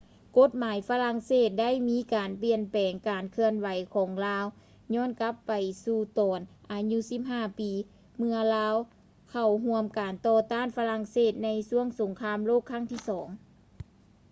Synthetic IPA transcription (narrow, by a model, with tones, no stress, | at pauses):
ko˧˦˥t̪̚maː˨˦jfa˧la˧˥ŋseː˧˥˩t̪̚da˥˨jmiː˧˥kaː˨˩npli˧˩ənpɛː˨˩ŋkaː˨˩nkʰɯ˧ənwa˨˦jkʰɔː˨˩˦ŋlaː˧˥w | ɲɔː˧˥˨nka˧˦˥pːa˨jsuː˧˩t̪ɔː˨˩nʔaː˨˩ɲu˧˥si˧˥p̚ɦaː˧˩piː˨˩ | mɯ˧˥ɐlaː˧˥w | kʰa˧˩wɦu˧əmkaː˨˩nt̪ɔː˧t̪aː˥˨nfa˧la˧˥ŋseː˧˥˩t̪̚na˧˥jsu˧˥˩əŋso˨˦ŋkʰaː˧˥mloː˥˩kʰːa˧˥˩ŋt̪ʰiː˥˩sɔː˩˦ŋ